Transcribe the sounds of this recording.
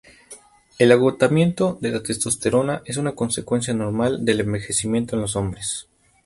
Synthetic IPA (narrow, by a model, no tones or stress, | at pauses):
e̞laɣ̞o̞t̪amje̞nt̪o̞ðe̞lat̪est̪o̞st̪e̞ɾo̞naʔe̞s̬unako̞nse̞kwe̞ns̬jano̞ɾmald̪e̞le̞mbe̞xe̞simje̞nt̪o̞e̞nlo̞so̞mbɾes